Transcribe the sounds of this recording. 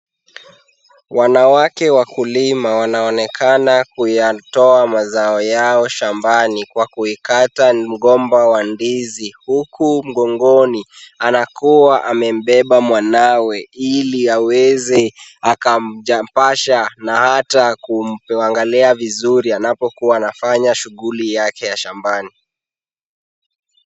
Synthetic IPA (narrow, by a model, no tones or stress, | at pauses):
wanawakɛwakulimawanaɔnɛkʰanakujatɔamazaɔjaɔʃambanikwakuikatam̩ɠɔmbawandizihukum̩ɠɔŋɡɔnianakuwaʔamɛm̩ɓɛɓamwanawɛiliawɛzɛakam̩ʄampaʃanahatakuaŋɡalɛavizuɾianapɔkuwaːnafaɲaʃuɣulijakɛjaʃambani